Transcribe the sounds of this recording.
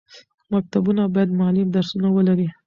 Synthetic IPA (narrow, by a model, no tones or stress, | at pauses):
mak̚t̪abunabɑjad̪mʊalɪmd̪aɾsunawəlaɾi